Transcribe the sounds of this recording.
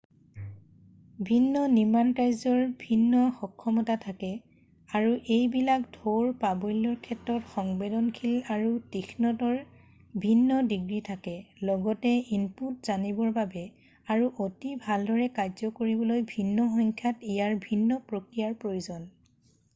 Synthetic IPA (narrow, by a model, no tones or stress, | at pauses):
bʱinːɔnimantajzɔɹbʱinːɔxɔkʰːɔmɔtatʰakɛ | aɹuʔejbilakdʱoɹpabojlɔɹkʰɛtːɹɔtxɔŋbedɔnkʰilaɹutixʰnɔtɔɹ | bʱinːɔdiɡɹitʰakɛlɔɡɔtɛinputzanibɔɹbabɛ | aɹuʔotibʱaldʱɔɹɛkajzɔkoɹibɔlojbʱinːɔxɔŋkʰjatijaɹbʱinːɔpɹokɹijaɹpɹojozɔn